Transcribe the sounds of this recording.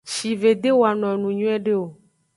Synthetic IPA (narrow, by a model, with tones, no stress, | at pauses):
ʃi˨ve˨d̪e˦wo˨a˨nɔ̃˨nũ˨ɲũ˦ɛ˦ɖe˦o˨